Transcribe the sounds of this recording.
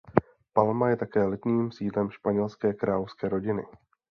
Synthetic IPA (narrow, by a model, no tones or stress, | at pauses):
palmajɛt̪akɛːlɪt̪niːmsiːdlɛmʃpaɲɛlskɛːkɾaːlofskɛːɾo̞ɟɪnɪ̰